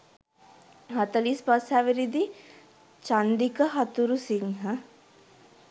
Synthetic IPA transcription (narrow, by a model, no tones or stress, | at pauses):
ɦɐt̪əliːspasaʋiɾid̪i | t͡ʃand̪ikəɦat̪uɾusiŋɦɐ